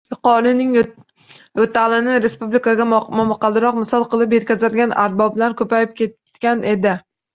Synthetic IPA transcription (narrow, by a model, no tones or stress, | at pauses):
jɪqɒɾɪnɪŋ | jot̪ʰalɪnɪɾe̞spublikaɡʲamamɑqʰɑlˠd̪ɪɾɒqmɪsɒlˠqʰɨlˠɪp̬je̞t̪̚kʲʰazad̪ɡʲana̰ɾt̪̚bɒbɪlaɾkʰɵpajɪp̚kʲʰe̞t̪ | ɡʲane̞d̪ɪ